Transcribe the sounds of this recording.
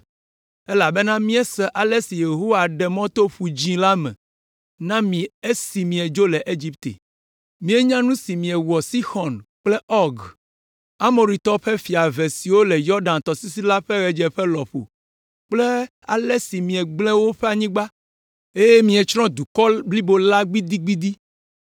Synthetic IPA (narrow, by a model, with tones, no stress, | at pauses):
e˦la˨be˦nã˦mĩ˦ɛ˦sɛ˨ʔa˨le˦si˨je˨ɦo˦wa˨ɖɛ˨mɔ̃˦t̪o˦ɸu˨d͡ʑĩ˦la˦mɛ̰̃˨ | nã˦mĩ˨e˦si˨mĩ˨ɛ˨d͡ʒo˦lɛ˨ʔe˦d͡ʑi˦pt̪ḛ˨ | mĩ˦e˦ɲã˦nũ˦si˨mĩ˨ɛ˨wɔ˨si˦xɔ˨nk͡ple˦ɔ˦ɡ | a˦mo˨ɾi˨t̪ɔ˦ɸɛ˦fi˨a˨ve˨si˨wo˦lɛ˨jɔ˦ɾɖã˨nt̪ɔ˨si˦si˦la˦ɸɛ˦ɣɛ˨d͡ʒɛ˨ɸɛ˦lɔ˨ɸo̰˨ | k͡ple˦ | a̰˨le˦si˨mĩ˨ɛ˨ɡ͡blɛ̃˦wo˦ɸe˦a˨ɲĩ˦ɡ͡ba˦ | e˦je˦mĩ˨e˨t͡ʃɾɔ̃˦d̪u˨kɔ˦bli˦bo˦la˦ɡ͡bi˦d̪i˦ɡ͡bi˦d̪i˦